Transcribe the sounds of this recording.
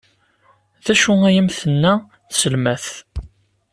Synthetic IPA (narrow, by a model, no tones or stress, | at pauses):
ðæʃʊæjəmθənːæ | θsəlmæθ